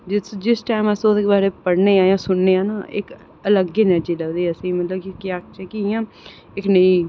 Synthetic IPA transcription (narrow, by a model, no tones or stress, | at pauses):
d͡ʒɪsd͡ʒɪsʈaːɪməsosɪkbaːɾeːpəɽneːãːjãːsʊɳːeːãːnaːʔɪ̰k | ələɡeːnəɾd͡ʒiːləɡd̪eːəsĩːmət̪ləbkɪkɪaːk̚t͡ʃɛːkijãː | ɪknəĩː